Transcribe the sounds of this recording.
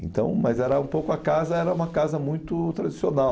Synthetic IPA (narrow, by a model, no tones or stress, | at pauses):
ẽt̪ɐ̰̃w̃mɐzɛɾɐũpowkʊɐkazɐɛɾɐũmɐkazɐmũj̃t̪ʊt̪ɾad͡ʒisionaw